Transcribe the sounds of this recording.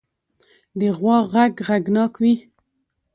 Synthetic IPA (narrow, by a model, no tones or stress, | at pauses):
d̪əɣwɑɣaɡɣaɡnɑkwi